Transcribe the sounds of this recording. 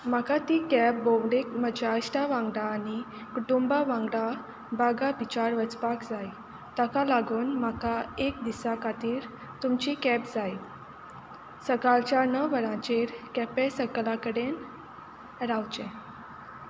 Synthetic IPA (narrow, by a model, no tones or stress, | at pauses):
makat̪ikɛp̚boʋɽek̚məd͡ʑaəsʈaʋãŋɡɽaːni | kuʈumbaʋãŋɡɽa | baɡabit͡ɕaɾʋət͡spakd͡zaj | t̪akalaɡuːnmakaek̚d̪isakat̪iːɾ | t̪umt͡ɕikɛpd͡zaj | səkalt͡ɕjanəʋəɾãt͡ɕeɾkɛpesəklakəɽen | ɾawt͡ɕɛ̃